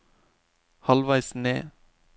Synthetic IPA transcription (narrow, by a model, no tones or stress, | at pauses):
hɑlʋæɪsnḛː